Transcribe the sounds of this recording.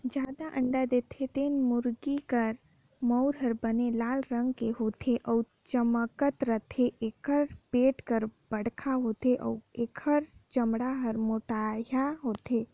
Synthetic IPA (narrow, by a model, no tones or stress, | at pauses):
d͡ʒad̪aʔə̃ɳɖad̪et̪ʰet̪enmuɾɡikəɾ | məʊɾɦəɾbənelaːlɾəŋɡkeɦot̪ʰeʔɔu | t͡ʃəməkət̪ɾət̪ʰeʔekʰəɾpeʈkəɾb̥əɽkʰaɦot̪eʔə̰uekʰəɾt͡ʃəmɽaɦəɾmoʈajaɦot̪ʰe